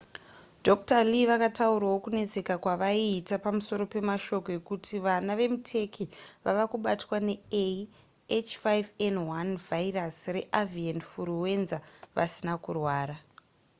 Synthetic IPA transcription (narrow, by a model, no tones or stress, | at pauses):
dʱo̞k̚taliʋakatauɾawo̞kune̞d͡zekakwaʋaiːtapamuso̞ɾo̞pe̞maʃo̞ko̞e̞kutʰiʋanaʋe̞mutʰe̞kʰiʋaʋakuɓatwane̞ei | et͡ʃfajvenwanvairasre̞ʔavienfuɾuwe̞nzaʋa̰sinakurwaːɾa